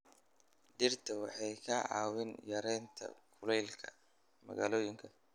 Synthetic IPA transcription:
ɖɪrt̪ʰɐwɑħɑjkʰɐʕɑ̰ːwɪnjɐɾɛnt̪ʰɐ̰kʰʊlɛjlkʰɐ̰ | mɐ̰ɣaːlɔːjɪŋkʰɐ

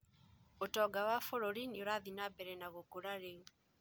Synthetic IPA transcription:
otɔɡawafoɾoɾinioɾaðinabɛɾɛnaɣokoɾaɾe

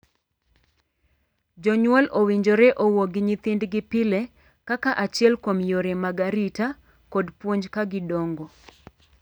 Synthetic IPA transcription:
d͡ʒɔɲwɔlowiɲd͡ʒoɾɛʔowoɡɪɲɪt̪ɪndɡɪpɪle | kakaʔat͡ʃɪɛlkomjoɾemaɡaɾita | kodpwoɲd͡ʒkaɡɪdoŋɡo

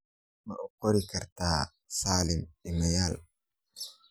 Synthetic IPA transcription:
mɐʔʊqɔɾɪkɐɾt̪aː | saːlɪmɪmɐjaːl

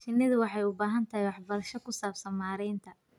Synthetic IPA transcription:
t͡ʃɪnːɪðʊwɑħɑjʊbaːɦɐnt̪ʰɐɦijwɑħbɐɾɐʃɔkʰʊsaːbsɐnmaːɾɛjnt̪ʰɐ

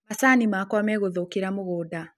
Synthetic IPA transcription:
masaːnimakwɔmɛɣoðokiɾamoɣoːda

